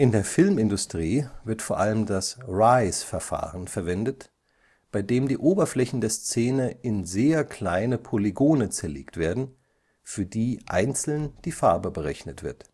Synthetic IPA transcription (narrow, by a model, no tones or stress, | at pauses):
ʔɪndeːɐfɪlmɪndʊstʁ̥iːvɪɐtfoːɐʔaləmdasʁaɪsfɛɐfa̰ːʁənfɛɐvɛndət | b̥aɪdeːmdiːʔoːbɐflɛçn̩deːɐst͡seːnəɪnzeːɐkʰl̥aɪnəpʰoliɡoːnət͡sɛɐlḛːktv̥eːɐdn̩ | fyːɐdiːʔa̰ɪnt͡sl̩nd̥iːfaɐbəbəʁɛçnətv̥ɪ̰ɐt